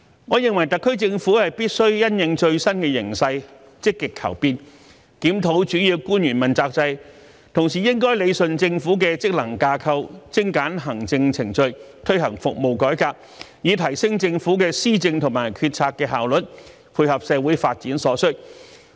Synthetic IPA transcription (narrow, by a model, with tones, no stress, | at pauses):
ŋɔː˨˧jɪ˨ŋwɐ˨˩jt̪ɐ˨kʰːɵ˥ɥt͡sɪ˧ŋfuː˨˥hɐ˨jpiː˥t̚sɵ˥ɥjɐ˥njɪ˨˧ŋt͡ʃɵ˧ɥsɐ˥nkɛː˧jɪ̰˨˩ŋsɐ˧j | t͡sɪ˥kːɪ˨kʰːɐ̰˨˩wpiː˧n | kiː˨˥mt̪ʰo˨˥wt͡ʃyː˨˥jiː˧wkuː˥njyː˨˩nmɐ˨˩nt͡saː˧k̚t͡sɐ˧j | t̪ʰʊ˨˩ŋs̬iː˨˩jɪ˥ŋkɔː˥jle˨˧jsɵ˨nt͡sɪ˧ŋfuː˨˥k̬ɛː˧t͡sɪ˥k̚lɐ˨˩ŋkaː˧kʰɐ˧wt͡sɪ˥ŋkaː˨˥nɦɐ˨˩ŋt͡sɪ˧ŋt͡sʰɪ˨˩ŋt͡ʃɵ˧ɥt̪ʰɵ˥ɥhɐ˨˩ŋfʊ˨k̚mo˨wkɔː˨˥jkaː˧k̚ | jiː˨˧t̪ʰɐ˨˩jsɪ˥ŋt͡sɪ˧ŋfu˨˥k̬ɛː˧siː˥t͡sɪ˧ŋt̪ʰʊ˨˩ŋmaː˨˩jkʰyː˧t̚t͡sʰaː˧kːɛː˧ɦaː˨˩wlɵ˨t̚ | pʰuː˧jhɐ˨p̚sɛː˨˧wuː˨˥jfaː˧t̚t͡siː˨˥nsɔː˨˥sɵ˥t̚